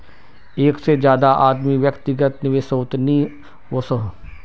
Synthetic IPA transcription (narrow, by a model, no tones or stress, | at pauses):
eːksed͡ʒjaːd̪aʔaːd̪miʋjəkt̪ɪɡət̪nɪʋesoːt̪ni | oso